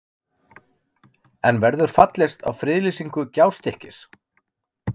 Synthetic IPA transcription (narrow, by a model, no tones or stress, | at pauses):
ɛnvɛɾðʏɾ̥fat̪lest̪a̰wfɾɪðlisiŋkʏcaːwst̪ɪhcɪs